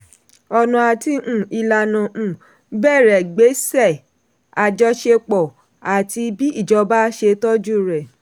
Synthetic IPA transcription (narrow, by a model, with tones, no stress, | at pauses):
ɔ˧nɔ̃˧a˨ti˧ũ˦˨i˧la˧nã˨ʔũ˨ | bɛ˦˨ɾɛ˨ɡ͡be˨˦sɛ˦˨ | a˨d͡ʒɔ˧˦ʃe˧k͡pɔ˨ | a˨ti˧bi˦i˦˨d͡ʒɔ˨˧ba˦ʃe˧tɔ˦d͡ʒu˦ɾɛ˨